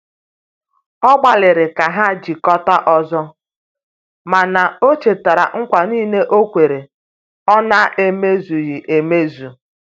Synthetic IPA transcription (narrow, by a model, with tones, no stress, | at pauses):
ɔ˦ɡ͡ba˨lɪ˨ɾɪ˨ka˨ɦa˦d͡ʒi˨kɔ˦ta˦ʔɔ˦zɔ˦ | ma˨na˨o˦t͡ʃe˨ta˨ɾa̰˨ŋ̩˦kʷa˨niː˦ne˦ʔo˦kʷe˨ɾe˨ | ɔ˦na˦ʔe˦me˦zu˨ɣɪ˨ʔe˨me˦zu˨